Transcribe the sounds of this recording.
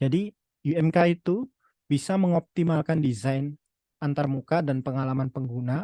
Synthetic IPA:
d͡ʒadi | uɛmkait̪u | b̥isaməŋɔp̚t̪imalkandizajn | ant̪armukadanpəŋalamanpəŋɡuna

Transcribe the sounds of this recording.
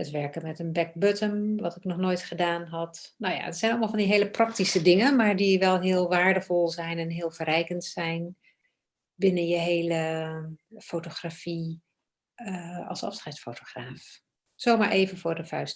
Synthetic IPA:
ətʋɛɹkəmɛtənbɛk̚bøtəmʋɑtɪknɔχnoːjtχədaːnɦɑt | nowja̰ətsɛjnɑlˠmɑlˠvɑndiɦejləprɑk̚tisədɪŋəmaːɹdiʋɛlˠɦɪːlˠʋaːɹdəvɔlˠzɛjnɛnɦɪːlˠvərɛjkəntsɛjn | bɪnənjəɦejlə | fowtoχrafi | ɑ̰lˠsɑ̰fsχɛjtfowtoχraːf | z̥owmaːɹʔeːvənvʊːɹdəfœɥst

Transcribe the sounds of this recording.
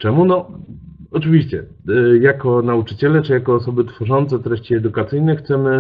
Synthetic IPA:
t͡ʂɛmunɔ | ɔt͡ʂɘvʲiɕt͡ɕɛ | jakɔnaut͡ʂɘt͡ɕɛlɛt͡ʂɘjakɔːsɔbɘt̪fɔʐɔnt̪sɛt̪ɾɛɕt͡ɕiɛd̪ukat̪sɘjnɛxt̪sɛmɘ

